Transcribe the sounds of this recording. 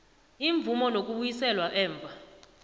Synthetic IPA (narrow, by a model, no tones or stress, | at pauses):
iɱb̪vumɔnok̬ʼuɓujisɛlwaʔɛːɱb̪vʱa